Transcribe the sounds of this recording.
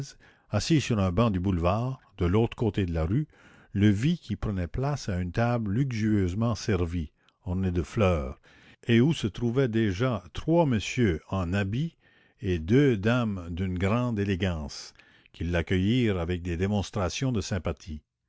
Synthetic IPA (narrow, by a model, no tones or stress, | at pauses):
z | asisyʁɛ̃bɑ̃d̪ybulvaːʁd̪əloːt̪ɾəkot̪ed̪əlaʁy | ləvikʲipɾənɛplasaynt̪abllyksyøzmɑ̃sɛʁvi | ɔʁned̪əflœːʁ | eusət̪ɾuvɛd̪eʒat̪ʁwaməsjøɑ̃nabi | ed̪ød̪amd̪ynɡʁɑ̃d̪eleɡɑ̃s | kʲʰilːakʲœjiːʁavɛk̚d̪ed̪emɔ̃st̪ɾasjɔ̃d̪əsɛ̃pat̪ʰi